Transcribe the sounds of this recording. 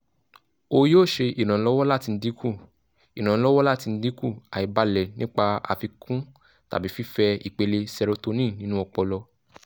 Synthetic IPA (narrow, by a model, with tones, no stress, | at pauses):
o˧joː˦˨ʃe˧i˨ñã˨˦lɔ˦wɔ˦la˦˨ti˧n̩˦di˦kʰu˦˨ | i˨ñã˨˦lɔ˦wɔ˦la˦ti˧n̩˦di˦ku˦˨a˨i˨˦ba˨˦lɛ˨nĩ˦k͡pa˧a̰˧˨fi˧kʰũ˦ | ta̰˨bi˨˦fi˦fɛ˧i˨k͡pe˧le˧sɛ˧ɾo˧to˧nĩ˦˨nĩ˨˦nũ˦ɔ˧k͡pɔ˧lɔ˧